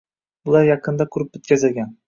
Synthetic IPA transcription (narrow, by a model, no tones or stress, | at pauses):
bʊlˠaɾjɑqʰɨnd̪aqʰʊɾɪpɵt̪̚kʲazɪlɡʲan